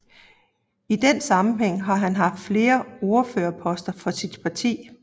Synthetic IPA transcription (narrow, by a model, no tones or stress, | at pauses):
id̥ensɑ̈mn̩ɦeŋ̰ɦɑ̈ɦænɦɑ̈fd̥fle̝ːɐo̝ɐføːɐpʰɒ̽sd̥ɐfɒ̽sid̥pʰɑ̈t͡sʰḭː